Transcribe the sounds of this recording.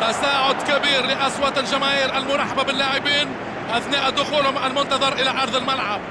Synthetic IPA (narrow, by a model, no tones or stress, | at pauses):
t̪asaːʕʊd̪kabiːɾlɪʔaswat̪lʒamaːjɪɾʔalmʊɾˤɑħababɪlːaːʕɪbiːn | ʔaθnaːʔad̪ːʊxuːlhʊmʕalmʊnt̪ɑðˤɑɾˤʔɪlaʔɑɾˤðˤɪlmalʕab̚